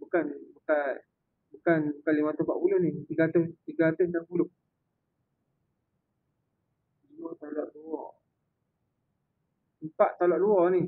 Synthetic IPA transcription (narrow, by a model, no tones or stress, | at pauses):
bukanbuka | bukanbukanlimat̪ohpa̰ʔpulohnit̪iɡaat̪ʊst̪iɡaat̪ʊsnapulʊʔ | d͡ʒɔt̪alɔʔluwɔ̰ | əmpaʔt̪alɔʔluɔni